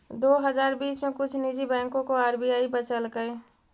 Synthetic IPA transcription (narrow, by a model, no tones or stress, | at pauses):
d̪oːɦəd͡ʒaːɾbiːsmẽkʊt͡ʃʰnid͡ʒibɛ̃ːŋkõkoaːɾbijaːibət͡ʃəlɡəj